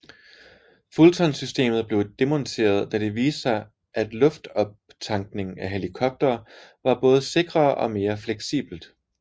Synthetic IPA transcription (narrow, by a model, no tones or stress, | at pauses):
fult͡sʰɒnsysd̥e̝̰ːmð̩ˠb̥le̝ʊd̥e̝mɒ̽nt͡sʰe̝̰ːɐð̞̩ˠd̥æd̥e̝ʋiːsɑɪ | ʔæd̥lɔ̽fd̥ɒ̽b̥̚t͡sʰɑ̈ŋɡ̥ne̝ŋæɦe̝likʰɒ̽b̥̚d̥ɐːʋɑ̈b̥ɔ̽ːð̞̩ˠse̝ɡ̥ʁɐːʔɒ̽me̝ːɐfleɡ̥sḭːb̥l̩d̥